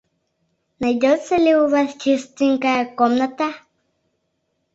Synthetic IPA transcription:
najot͡seliuβaθt͡ʃist̪iŋkakomnat̪a

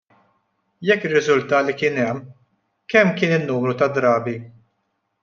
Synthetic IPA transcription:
jɛkːɪrːɪzʊlt̪ɐːlikɪnɛmː | kɛmːkɪːnɪnːuːmɾut̪ɐd̪ɾɐːbi

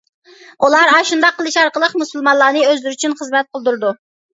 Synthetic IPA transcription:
ulˠɑɾɑʃund̪ɑqːəlˠɨʃɑɾqəlˠəqmusɨlˠmɑnlˠɑːnɨøzlɪɾyt͡ʃʰynχəzmɛt̪̚qʰəlˠd̪uɾɨd̪u

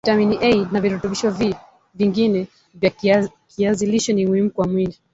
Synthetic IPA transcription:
taminiʔɛinaviɾɔtɔɓiʃɔvi | viŋɡinɛ | vja | kʰiaziliʃɔnimuhim̩kwamwili

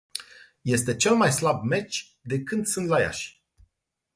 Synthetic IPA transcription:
je̞st̪e̞t͡ʃe̞lmajslabme̞t͡ʃʲ | d̪e̞kɨnd̪sɨnt̪laja̰ʃʲ

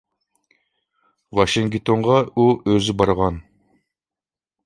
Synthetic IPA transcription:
wɑʃiŋɡʲt̪ʰoɴʁɑuøzɪbɑɾʁɑn

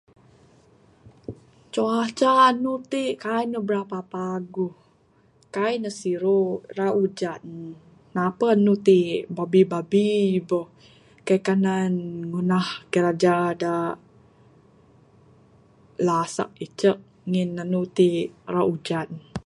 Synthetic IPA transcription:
t͡ʃoat͡ʃanut̪eʔkajnəbəɾapapaɡuh | kajnəsiɾoɾaud͡ʒa | napəanut̪ibabibabibə | kajkananŋunahkəɾad͡ʒada | lasa̰ʔ̚it͡ʃəʔ̚ | ŋinanut̪iraʔud͡ʒatn

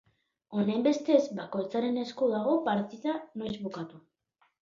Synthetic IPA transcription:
o̞nembe̞st̪e̞zbako̞jt͡saɾe̞ne̞skoðaɣ̞o̞paɾt̪iðano̞jzβukat̪u

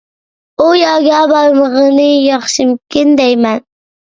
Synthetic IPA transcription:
ujɑɡʲɑbɑɾməʁənɨjɑχʃimkʲɪnd̪ɛjmɛn

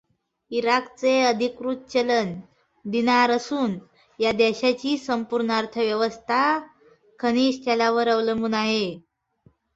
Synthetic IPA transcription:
iɾakt͡seəd̪ʱikɾut̪̚t͡ɕələn | d̪inaɾəsuːn | jad̪ɛɕat͡ɕiːsəmpuɾɳaɾt̪ʰəʋjəʋəst̪ʰa | kʰəñiːɕt̪jalaʋəɾəʋləmbuːnaɦe

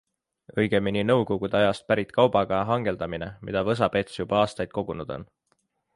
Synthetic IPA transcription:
ɤjɡ̥e̞mininɤ̞wko̞ɡ̥ud̪eɑjɑst̪̚pæɾit̪ːˑkɑwb̥ɑɡ̥ɑɑɦɑŋɡ̥e̞ld̪̥ɑmine̞mḭd̪̥ɑvɤs̬ɑbe̞t̪sjub̥ɑɑːst̪ɑjd̪̥̚ko̞ɡ̥unud̪̥o̞̰n

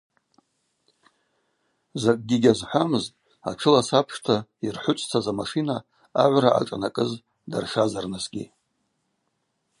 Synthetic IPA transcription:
zakʼɡʲiɡʲazħʷamɨztʼ | a̰ʈ͡ʂʰɨlasapʰʂtʰairħʷʊt͡sʷʼt͡sʰazamaʂinaː | ʕʷɾaʔa̰ʈ͡ʂʼanakʼɨz | da̰rʂazarnasɡʲḭ

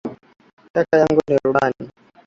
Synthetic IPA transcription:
takajaŋɡuniɾuɓani

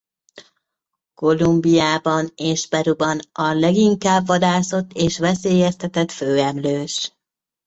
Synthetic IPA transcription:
ko̞lumbijaːbɒneːʒbɛɾubɒnɒlɛɡiŋkaːbːɒd̪aːso̞t̪ːeːʃʋɛseːjɛst̪ɛt̪ɛt̪føːɛmløːʃ

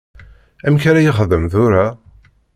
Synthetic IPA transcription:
æmçaɾæjəχəðəmθʊɾa

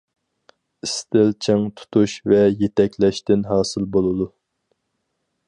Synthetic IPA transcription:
ist̪ɪlt͡ʃʰeŋt̪ʰu̥t̪ʰuʃvɛjet̪ʰɛkʲlɛʃt̪ɪnɦɑːsɨlˠbolˠɨd̪u

